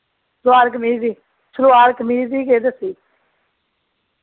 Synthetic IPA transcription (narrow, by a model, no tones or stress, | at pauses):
sɾʋaːɾkmiːziː | sɾʊaːɾkmiːziːkeːd̪əsiː